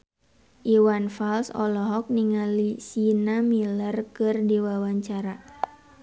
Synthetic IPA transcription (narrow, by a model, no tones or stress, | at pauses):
ʔiwanfalsɔ̰lɔɦɔk̚niŋalisinamilərkɨrdiwawaɲt͡ʃaɾa